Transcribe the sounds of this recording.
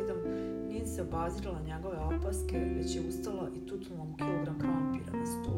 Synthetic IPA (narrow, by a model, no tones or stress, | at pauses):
d̪om | niseobazilˠaɲeɡo̞ʋe̞apaskeʋet͡ɕjeust̪alaʔit̪ut̪ulˠnomɡioɡɾamkampḭːɾa̰nesu̥t̪ṵ